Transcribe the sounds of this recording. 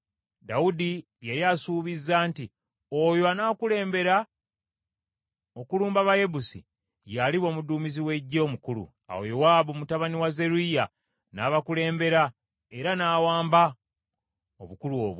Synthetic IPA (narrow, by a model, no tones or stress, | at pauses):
daudi | jeɾjasuːβizːaːnti | ojoanaːkule̞ːmbe̞ɾa | okuluːmbaβaje̞busḭ | jaliβo̞ːmuduːmiziwe̞ɟːo̞ːmukulṵ | a̰wo̰jewaːβumutaβaniwaze̞ɾuija | naːβakule̞ːmbe̞ɾa | eɾanaːwaːmba | o̰βukuluo̰ːβ